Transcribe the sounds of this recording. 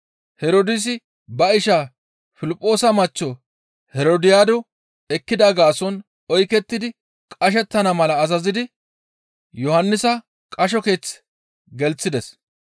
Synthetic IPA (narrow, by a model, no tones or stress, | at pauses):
hɛɾod̪ɪs̬ɪ | bɐɪʃa | fɪlɪpʼːo̞ːsɐmɐt͡ʃːɔ | hɛɾoːd̪ɪjaːd̪ɔ | ɛkːɪd̪aːɡaːsɔn | ɔjkɛt̪ːɪd̪ɪ | kʼɐʃ̬ɛt̪ːɐnɐmɐlɐːzɐzɪd̪ɪ | jɔhɐnːɪsɐ | kʼɐʃ̬ɔke̞ːt͡sː | ɡɛlt͡sːɪd̪ɛs